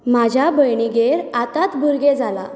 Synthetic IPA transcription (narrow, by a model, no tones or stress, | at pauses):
mad͡ʑʱjabəjɳiɡeɾat̪at̪bʱuɾɡed͡zʱala